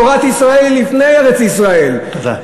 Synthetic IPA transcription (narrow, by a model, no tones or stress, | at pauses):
oʁat̪isʁaelːifnejeʁet͡sisʁaelt̪od̪a̰